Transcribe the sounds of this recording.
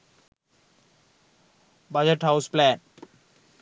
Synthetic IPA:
bad͡ʒeʈhawsplɛn

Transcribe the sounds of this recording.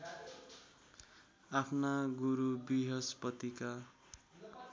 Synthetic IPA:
apʰnaɡuɾubiɦʌspʌt̪ika

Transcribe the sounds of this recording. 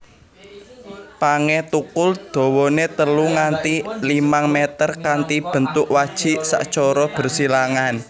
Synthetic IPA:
paŋɛt̪ukʊld̪̥o̤wɔnet̪əluŋant̪ilimaŋmɛt̪ərkant̪ib̥ə̤nt̪ʊkwad̥ʒ̥i̤ʔsa̰ʔt͡ʃɔɾɔb̥ə̤rsilaŋan

